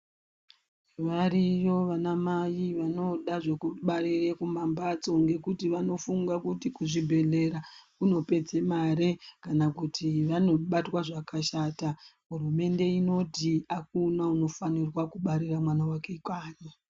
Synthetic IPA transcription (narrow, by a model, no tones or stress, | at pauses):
ʋarijo̞ʋanamajiʋano̞ɗaʐe̞kuɓarirekumambat͡so̞ŋɡe̞kutiʋano̞fuŋɡakutikuʐibʱe̞ɮe̞ɾakuno̞pe̞d͡zemaɾe̞kanakutʰiʋano̞ɓatwaʐakaʃaːtaɦurume̞nde̞ino̞tiak̚unauno̞fanirwakuɓaɾiramwanawakeikaːɲe